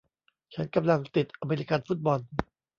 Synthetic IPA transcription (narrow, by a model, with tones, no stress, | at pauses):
t͡ɕʰa˦˥nka˧mla˧ŋt̪i˨˩t̪̚ʔa˧meː˧li˧ka˧nfu˦˥˩t̪̚bɔ˧n